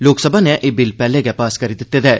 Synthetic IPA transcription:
loːksəbʱaːnɛ̃ʔeːbɪlpɛːleɡɛpaːskəɾiːd̪ɪt̪ːeːd̪ɛː

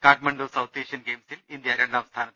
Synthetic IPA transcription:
kaːʈ̚mɐɳɖoːsɐwt̪eːʂijɐnɡeːmsilind̪jɐɾeɳɖaːmst̪ʰaːnɐt̪ː

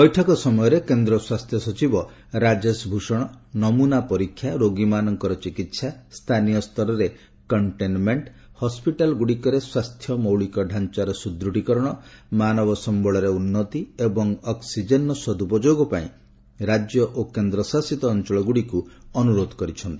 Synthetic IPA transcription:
bɔjʈʰɔkɔsɔmɔjɔɾekend̪ɾɔswast̪ʰjɔsɔt͡ʃibɔ | ɾad͡ʒesbʱuʃɔɽ̃ɔnɔmunapɔɾikʰːjaɾoɡimanɔŋkɔɾɔt͡ʃikit̪sast̪ʰanijɔst̪ʰɔɾɔɾe | kɔɳʈenmeɳʈ | hɔspiʈalɡuɽikɔɾeswast̪ʰjɔmɔwɭikɔɖʱant͡ʃaɾɔsud̪ɾuʈikɔɾɔɽ̃ɔmanɔbɔsɔmbɔɭɔɾeunːɔt̪iebɔŋɔksid͡ʒenɔsɔd̪upɔd͡ʒoɡɔpaĩ | ɾad͡ʒjɔʔokend̪ɾɔsasit̪ɔːnt͡ʃɔɭɔɡuɽikuɔnuɾod̪ʱɔkɔɾit͡ʃʰɔnt̪ii

